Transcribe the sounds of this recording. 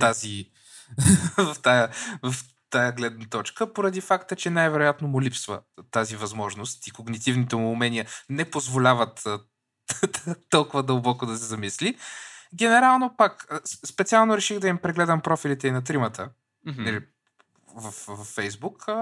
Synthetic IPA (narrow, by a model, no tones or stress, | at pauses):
t̪azi | vɐft̪ajəvɐf | t̪ajəɡlɛd̪nət̪ɔt͡ʃkəpoɾɐd̪ifakt̪ət͡ʃɛnajvɛɾojat̪nomʊlʲipsvə̰t̪azivɐzmɔʒnost̪ikoɡnit̪ivnit̪ɛmʊːmɛniənɛpozvolʲavət̪ː | d̪t̪ɔlˠkʊvɐd̪əlˠbɔkod̪ɐsɛzɐmisliɡʲɛnɛɾalˠnopakəsspɛt̪sialˠnoɾɛʃiɣd̪ɐimpɾɛɡlɛd̪əmpɾɔfilit̪ɛinɐt̪ɾimət̪ʰə | nɐli | vɐfvɐfːɛjzbukː